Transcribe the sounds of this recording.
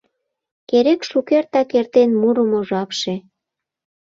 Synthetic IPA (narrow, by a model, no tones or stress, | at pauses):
keɾekʃukert̪ɑkert̪enmuɾəmoʒɑpʃe